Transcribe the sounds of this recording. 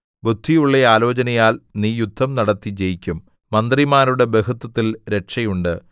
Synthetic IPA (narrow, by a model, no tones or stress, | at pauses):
bud̪ʱːijuɭːeaːlo̞ːt͡ɕɐnɐjaːlniːjud̪ʱːɐmnɐɽɐt̪ːid͡ʑe̞jikʲːumː | ɐnd̪rimaːɾuɽe̞be̞ɦut̪ːɐt̪ːilɾe̞ʈʂɐjuɳɖɨ